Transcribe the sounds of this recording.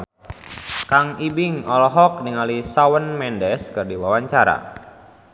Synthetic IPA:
kaŋibɪŋɔlɔɦɔk̚niŋalisawənmɛndɛskɨrdiwawaɲt͡ʃaɾa̰

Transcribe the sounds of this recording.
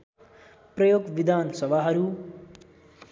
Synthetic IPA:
prʌjoɡʋid̪ʱaːnsʌbʱaɦʌɾu

